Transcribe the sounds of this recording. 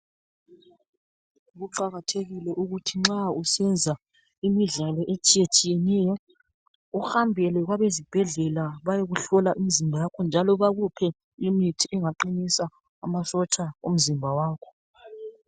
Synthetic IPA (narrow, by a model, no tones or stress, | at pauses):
ɣuǃaɣatʰeɣilɛʔuɣutʰiŋ͡ǁausɛnd͡zʱa | imiɮalɔʔet͡ʃʼijet͡ʃʼijɛnɛːjɔ | uhambʱɛlɛɣwaβezib̥ʱɛɮɛlaβajeɣuɬɔlaʔimizimbʱajakʰɔnd͡ʒʱalɔβaɣupʰɛ | imitʰiɛŋaǃinisaː | masɔt͡ʃʼao̰m̩zimbʱawaːkʰɔ̥